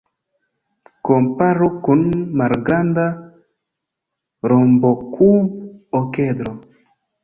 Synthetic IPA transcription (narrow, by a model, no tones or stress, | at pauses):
kompaɾokunmaɾɡɾand̪a | ɾɔmbɔkʰuɔked̪ɾo